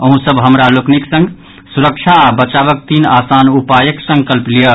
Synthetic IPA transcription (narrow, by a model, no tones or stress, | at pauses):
əɦũsəbɦəmɾalokniksə̃ŋɡ | suɾəkt͡ʃʰabət͡ʃaβək̚t̪inasanupajəksə̃ŋkəlplijə